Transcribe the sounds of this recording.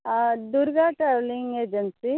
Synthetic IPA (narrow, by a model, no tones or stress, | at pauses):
d̪uɾɡaːʈɾeʋliŋɡeːd͡ʒɐnsi